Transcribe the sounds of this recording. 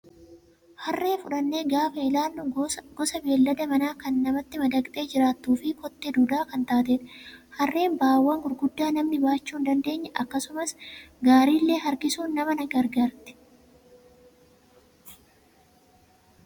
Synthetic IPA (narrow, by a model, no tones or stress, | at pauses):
hɐrːeːfʊᶑɐnːe̞ːɡaːfɐɪlaːlːʊɡ̥ɔsɐbe̞ːlːɐd̪ɐmɐnaːkɐnːɐmɐt̪ːɪmɐd̪ɐkʼt̪ʼe̞ːd͡ʒɪɾaːt̪ːuːfɪkɔt̪ːed̪uːd̪aːkɐnt̪aːt̪eːᶑhɐrːe̞ːnbaːwːɐŋɡʊɾɡʊd̪ːaːnɐmnɪbaːt͡ʃːuːnd̪ɐnd̪e̞ːɲːɐʔɐkːɐsʊmɐsɡaːɾiːlːe̞ːɦɐɾkɪsuːnːɐmɐnɐɡɐɾɡaːɾt̪ɛ̥